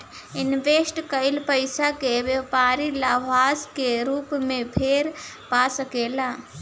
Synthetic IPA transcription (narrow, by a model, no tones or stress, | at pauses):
inʋesʈkəɪlpəɪsakeʋjəpaɾilaʋaskeɾuːpmẽpʰeɾ | pasəkela